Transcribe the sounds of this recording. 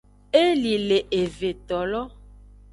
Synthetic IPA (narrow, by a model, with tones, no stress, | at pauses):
e˦li˨le˨ʔe˨ve˨t̪ɔ˨lɔ˦